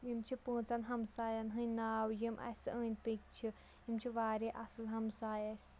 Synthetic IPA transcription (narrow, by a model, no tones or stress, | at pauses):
jimt͡ʃʰipə̃ːt͡sɐnɦɐmsaːjɐnɦɨnaːwjimʔɐ̰səːnʲpik̚t͡ʃʰi | jimt͡ʃʰiʋaːɾeʔɐsɨlɦɐmsaːjɐsʲ